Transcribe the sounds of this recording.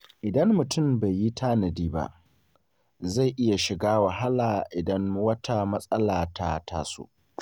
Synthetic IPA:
ʔɪ˨dɐ˦mːʊ˨tʊ˦˨mba˨jːi˦tʰaː˦nɐ˨diː˦ba̰˦˨ʔ | za˦˨jʔɪ˦ja˨ʃɪ˨ɡaː˦wɐ˨ɦa˦laː˨ʔɪ˨dɐ˦ŋwɐ˦tʰa˦mɐ˦sʼɐ˦laː˨tʰa˦tʰa̰ː˦so̰˦

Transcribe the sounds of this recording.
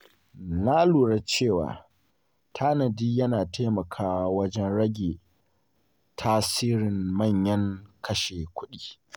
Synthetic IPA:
naː˦luː˨ɽa˦t͡ʃeː˦˨wa̰ː˨ | tʰaː˦nɐ˨diː˦jɐ˦naː˨tʰeː˦mɐ˨kʰaː˦wa˦wɐ˦d͡ʒɛ˦nɽɐ˦ɡʲeː˨ | tʰaː˦siː˦ɾɪ˨mmɐ˦˨ɲjɐ˦ŋkɐ˦ʃeː˨kʷʊ˦ɗiː˦˨

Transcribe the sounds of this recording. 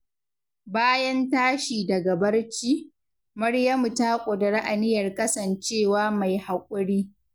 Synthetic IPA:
baː˦jɐ˦ntaː˦ʃiː˨dɐ˨ɡa˨bɐ˦rt͡ʃiː˦ | mɐ˦ɽjɐ˦mu˨taː˦kʷʼʊ˨dɐ˨ɽa˦ʔa˨nɪ˦jɐ˨rkʼɐ˦sɐ˨nt͡ʃeː˦˨waː˦ma˨jha˨kʷʼʊ˦ɽiː˦

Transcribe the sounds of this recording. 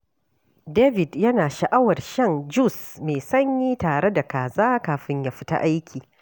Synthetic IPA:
deː˦vɪ˨djɐ˦naː˨ʃɐ˨ʔa˦wɐ˨rʃɐ˦nd͡ʒu˦˨smeː˨sɐ˦ɲjiː˦taː˨ɽe˦da˨kaː˨zaː˦kaː˨ɸɪ˦ɲjaː˦ɸɪ̥˦ta̰˦ʔa˦jkʲʰiː˨

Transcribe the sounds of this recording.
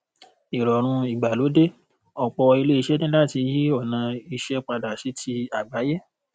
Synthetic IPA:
i˨ɾɔ˨ɾ̃ũ˧i˨ɡ͡ba˨lo˨˦de˦ | ɔ˨k͡pɔ˧ɔ˧i˧le˦i˧ʃɛ˦nĩ˦la˦˨ti˧ji˦ɔ˦˨nã˧i˧ʃɛ˦k͡pa˧da˨si˨˦ti˧a˦˨ɡ͡ba˨˦jɛ˦

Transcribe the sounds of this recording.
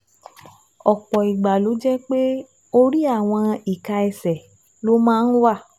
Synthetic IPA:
ɔ˨k͡pɔ˨i˨ɡ͡ba˨lo˨˦d͡ʒɛ˦k͡pe˦ | o˧ɾi˦a˦˨w̃ɔ̃˧i˨ka˧ɛ˨sɛ˨ | lo˨˦mãː˦˧n̩˦wa˦˨

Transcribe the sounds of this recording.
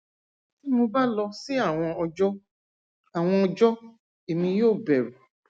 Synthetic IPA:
ti˦mo˧ba˦lɔ˧si˦a˦˨w̃ɔ̃˧ɔ˧d͡ʒɔ˦ | a˨w̃ɔ̃˧ɔ˧d͡ʒɔ˦ | e˨mĩ˧joː˦˨bɛ˨ɾu˨

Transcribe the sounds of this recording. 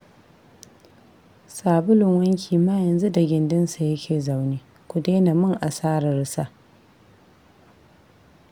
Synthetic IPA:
saː˨bʊ˦lʊ˨ŋwɐ˦ŋkʲʰiː˨maː˦jɐ˨nzu˦da˨ɡʲɪ˨ndɪ˦nsa˨jɐ˦kʲʰeː˨za˨wniː˦ | kʷʊ˨deː˦na˨mʊ˦ŋʔa˨saː˦ɾa˨ɾɪ˦sa˦

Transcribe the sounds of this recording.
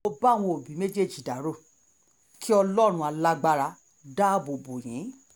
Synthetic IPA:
o˧ba˦˨w̃ɔ̃˧o˨bĩ˨˦me˦d͡ʒe˦˨d͡ʒi˨da˨˦ɾo˦˨ | kʰi˦ɔ˧lɔ˦ɾ̃ũ˧a˧la˦ɡ͡ba˧ɾa˧ | da˦bo˨bo˨j̃ḭ̃˨˦

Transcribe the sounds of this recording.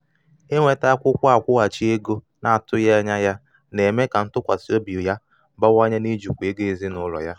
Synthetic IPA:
e˦ŋʷe˨ta˦a˦kʷʊ˦kʷa˦a˨kʷʊ˦a˨t͡ʃi˦e˦ɡo˦ | na˨a˨tʊ˦ja˦ɲa˦ja˦ | ne˨me˦ka˨n̩˦tʊ˦kʷa˨si˦o˦bi˨ʊ˨ja˦ | ba˦wa˦ɲa˦ni˦d͡ʒu˨kʷe˦ɡe˦e˨zi˦nʊ˦lɔ̰˨ja˦

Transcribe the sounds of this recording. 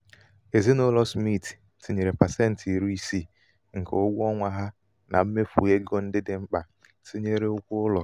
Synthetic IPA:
e˨zi˦no˦lɔ˦smi˦˨ti̥˨ | si˨ɲe˨ɾe˨pa˨sɛ˦n̩˨ti˨ɾu˦i˦si˦˨ | ŋ̩˨kḛ˨ʊ˦ɡʷɔ˦ŋʷa˨ɦa˦ | na̰˨m̩˦me˦fṵ˨e˦ɡo˦n̩˦dɪ˦dɪ˨ŋ͡m̩˦k͡pa˨ | si˦ɲe˦ɾe˦ʊ˦kʷʊ˦ʊ˦lɔ˨

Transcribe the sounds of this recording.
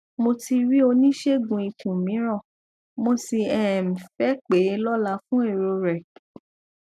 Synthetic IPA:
mo˧ti˧ɾi˦o˧nĩ˦ʃe˦ɡũ˧i˧tũ˨mĩ˨˦ɾ̃ɔ̃˦˨ | mo˧si˧ɛ˦˨m̩˨fɛ˨˦k͡pe˨˦lɔ˦la˧˦fũ˦e˦˨ɾo˧ɾɛ˨

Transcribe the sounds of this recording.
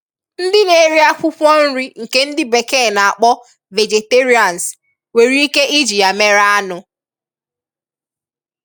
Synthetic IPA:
n̩˦dɪ˦ne˨˦˨ɾi˦a˦fʷʊ˦pʷɔ˦n̩˦ɾi˦ŋ̩˨ke˦n̩˦dɪ˦be˨ke˦˨na˨a˨k͡pɔ˦ | ve˨d͡ʒe˨te˦ɾi˦a˨n˨s | we˨ɾi˦i˦ke˦ʔi˦d͡ʒi˨a˨me˦ɾa˦a˦nʊ˦

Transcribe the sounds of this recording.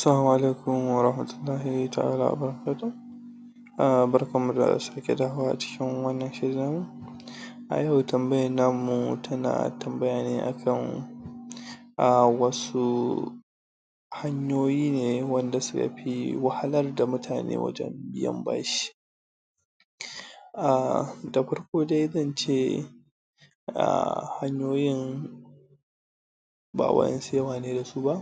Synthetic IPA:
asɐ˦laː˦muʔa˨le˦jkʊ˦mwɐɾɐhmɐtʊlːaː˦hita˨ʔa̰ː˦la̰ː˦ʔa̰bɐɾɐ˦kaː˦to˦ | abɐ˦ɾɐkɐ˦mːu˨da̰˨da̰˨sɐɾkʲʼɛ˨da˦ha˦waː˦ʔa˨t͡ʃɪ̥˦kʲɪ˦ŋwɐ˦nːɐ˨nʃɐ˦ɾi˦naː˦mːu˦ | ʔa̰˨jɐ˦˨wtɐ˨mbɐ˦jɐ˨nːa˦mːu˨tʰɐ˦na̰˨tɐ˨mbɐ˦ja˨neː˦ʔa̰˨kʰɐ˦ŋ | ʔawɐ˦su˦ | ha˦ɲjoː˦jiː˦neː˨wɐ˦nda˨sʊ˦kɐ̰˨ɸi˦wɐ˦ha˦lɐ˦rda˨mʊ˦tʰaː˨nḛː˦wɐ̰˦d͡ʒɛ̰˦mbɪ˦jɛ̰˦mba̰ː˦ʃi̥i̥˦ | ʔa˨da˨ɸɐ˦rkʷoː˦da˦jzɐ˦˨nt͡ʃeː˦˨ | ʔa̰˨ha˦ɲjoː˦jɪ˦ŋ | ba̰ː˨wɐ̰˦ɛ̰˦nseː˦waː˨neː˦da˨su˦ba˦ʔ

